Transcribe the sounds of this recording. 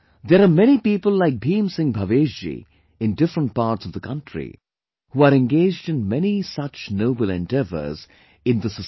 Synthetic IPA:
ðɛɾaːmɛñipiːpəlˠlaɪk̚bĩːmsɪ̃ŋbʱaʋeːd͡ʒd͡ʒḭ | ɪ̃ndɪfɾə̃nʈ̚paːɾʈsʌvðəkʰʌ̃ntɹḭ | huaɾɛ̃nɡeːd͡ʒdɨ̃nmɛnisʌt͡ʃnoʊbəl̩ˠɛ̃ndɛvə̰z̥ | ɪ̃nðəsə

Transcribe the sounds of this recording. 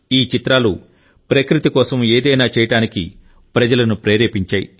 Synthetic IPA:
iːt͡ʃit̪ɾaːlu | pɾɐkɾit̪ikɔːsɐmeːd̪ɐjnaːt͡ʃɛːjɐʈaːnikḭ | pɾɐd͡ʒɐlɐnupɾeːɾeːpiɲt͡ʃaːjḭ

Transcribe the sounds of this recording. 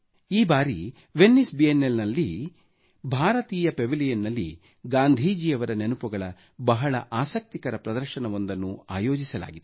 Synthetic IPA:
iːbaːɾḭ | ʋenːisbienːelnɐlːi | bʱaːɾɐt̪iːjɐpeʋilijɐnːɐlːḭ | ɡaːnd̪ʱiːd͡ʒiːɐʋɐɾɐnenupuɡɐɭɐ | bɐɦɐɭɐ̰ʔaːsɐk̚t̪ikɐɾɐpɾɐd̪ɐɾʃɐnɐʋo̞nd̪ɐnːua̰ːjoːd͡ʒisɐla̰ːɡid̪

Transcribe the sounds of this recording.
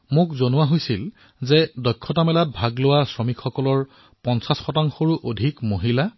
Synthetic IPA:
mʊkzonʊwaɦojsil | zɛdɔjkʰːɔtamɛlat̚bʱaɡlʊwasɹɔmikxɔkɔlɔɹ | pɔnsasxɔtaŋxoɹuʔodʱikmoɦila

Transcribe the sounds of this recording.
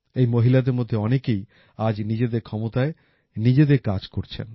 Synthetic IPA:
ejmoɦilad̪eɾmod̪ʱːeɔnekej | ad͡ʑnid͡ʑed̪eɾkʰɔmot̪ae | nid͡ʑed̪eɾkad͡ʑkoɾt͡ɕʰḛn

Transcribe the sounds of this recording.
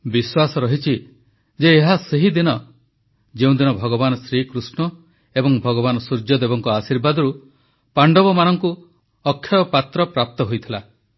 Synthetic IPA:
biswasɔɾɔɦit͡ʃʰi | d͡ʒeːɦaseɦid̪inɔ | d͡ʒeũd̪inɔbʱɔɡɔbanɔsɾikɾusnɔ | ebɔŋbʱɔɡɔbanɔsuɾd͡ʒɔd̪ebɔŋkɔasiɾbad̪ɔɾu | paɳɖɔbɔmanɔŋku | ɔkʰːjɔɔpat̪ɾɔpɾap̚t̪ɔɦojt̪ʰila

